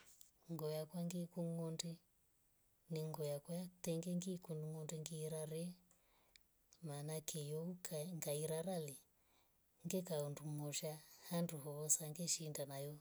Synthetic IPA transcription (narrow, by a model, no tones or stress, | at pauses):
ŋɡɔjakwaŋɡikuŋɔndɛ | niŋɡɔjakwajatɛŋɡɛŋɡikunduŋɔndɛŋɡiiɾaɾɛ | manakijɔuŋɡaiɾaɾali | ŋɡɛkaunduŋɔʃahanduɦɔβɔsaŋɡɛʃindanajɔ